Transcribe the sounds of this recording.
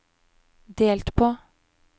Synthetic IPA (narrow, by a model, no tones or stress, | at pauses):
d̪eːlt̪pʰoː